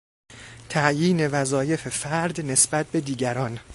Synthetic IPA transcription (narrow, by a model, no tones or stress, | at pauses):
t̪ʰæʔjiːne̞væzɒːje̞fe̞fæɾd̪ne̞sbæt̪̚be̞d̪iːɟæɾɒːn